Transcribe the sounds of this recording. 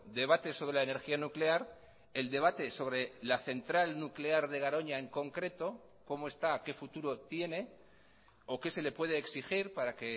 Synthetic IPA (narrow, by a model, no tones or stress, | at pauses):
d̪e̞β̞at̪e̞so̞βɾe̞laene̞ɾxianukle̞aɾ | e̞ld̪e̞β̞at̪e̞so̞β̞ɾe̞laθe̞nt̪ɾalnukleaɾðe̞ɣ̞aɾo̞ɲae̞ŋko̞ŋkɾe̞t̪o̞ | ko̞moest̪ake̞fut̪uɾo̞t̪je̞ne̞ | o̞ke̞se̞le̞pwe̞ð̞eːksixiɾpaɾake̞